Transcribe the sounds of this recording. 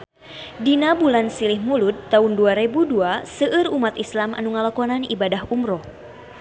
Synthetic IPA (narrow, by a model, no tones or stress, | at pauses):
dinabulansilihmulut̪ːaunduaɾebuduasəʔɨrumat̪islama̰nuŋalakɔnanḭbadaɦumɾɔ